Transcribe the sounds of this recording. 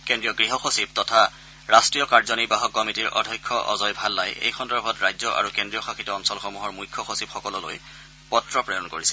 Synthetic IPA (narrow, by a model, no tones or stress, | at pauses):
kendɹijɔɡɹiɦɔxosip̚tɔtʰa | ɹastɹijɔkaɹzɔnibaɦɔkːɔmitiɹʔɔ̰dʱɔjkʰːɔʔɔ̰zɔjbʱalːajḛjxʰɔndɔɹbʱɔtɹajzɔʔa̰ɹukendɹijɔxaxʰitɔɔnsɔlxɔmuɦɔɹmujkʰːɔxosipxɔkɔlɔlo̰j | pɔtɹɔpɹɔjɔnkoɹisɛ